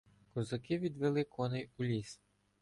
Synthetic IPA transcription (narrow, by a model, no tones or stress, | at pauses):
kʊzɐkɪʋʲid̪ʋelˠɪkʰɔnɪjulʲis